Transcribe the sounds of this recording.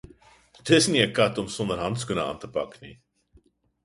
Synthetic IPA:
dəsniəkɐtɔmsɔndərɦɐntskunəɑ̰ːntəpɑ̰knḭ

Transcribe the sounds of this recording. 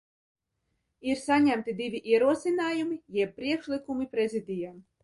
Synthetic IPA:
iɾsanʲæmt̪ʲid̪ʲivʲiʔiɛɾuɔsʲinaːjumijɛpːɾʲiɛkʃlʲˠɨkumipɾezʲid̪ʲija

